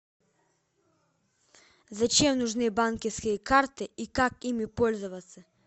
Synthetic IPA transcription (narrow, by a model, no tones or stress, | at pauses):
zɐt͡ɕemnʊʐnɨbankʲɪfskʲɪjəkart̪ɪʔikakimʲɪpɔlʲzʊvɐt̪sɐ